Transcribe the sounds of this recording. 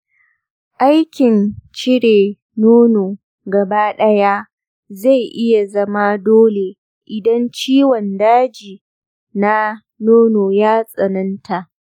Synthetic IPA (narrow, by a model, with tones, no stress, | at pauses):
ʔa˦jkʲɪ˨nt͡ʃɪ˦ɽe˨ | noː˦noː˨ | ɡɐ˨ba˦ɗɐ˦ja˦ | za˦˨jʔɪ˦ja˨zɐ˦ma˦doː˦le˨ | ʔɪ˨dɐ˦nt͡ʃiː˦wɔ˨ndaː˦d͡ʒiː˨ | na˦ | noː˦noː˨jaː˦sʼɐ˨nɐ˦ntʰa˨ʔ